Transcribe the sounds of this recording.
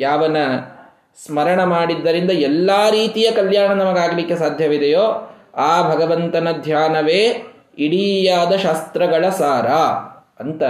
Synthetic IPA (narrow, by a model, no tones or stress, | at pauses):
jaːʋɐnːɐ | smɐɾɐɳɐmaːɽid̪ːɐɾind̪ɐɛlːaːɾiːt̪ijɐkɐljaːɳɐnɐmɐɡaːɡɐlikːe̞saːd̪ʱjɐʋid̪ejoː | aːbʱɐɡɐʋɐnt̪ɐnɐd̪ʱjaːnɐʋeː | iɽijaːd̪ɐʃaːst̪ɾɐɡɐɭɐsaːɾaː | ɐnt̪ɐ